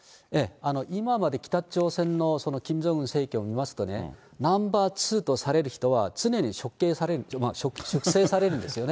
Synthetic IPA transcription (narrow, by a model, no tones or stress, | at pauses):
e̞ano̞ʔimamad̪e̞kʲi̥t̪at͡ɕo̞ːsẽ̞nːo̞so̞no̞kʲĩɲzoɯ̟̃ɰse̞ːkʲoːmʲimasɨ̥t̪o̞ne̞̰ | nãmbaːt͡sɨːt̪o̞saɾe̞ɾɯ̟çi̥t̪o̞βat͡sɨne̞ɲ̟iɕo̞kːe̞ːsaɾe̞ɾɯmaɕokɕokɯ̟se̞ːsaɾe̞ɾɯ̟nd̪e̞sɨjo̞ne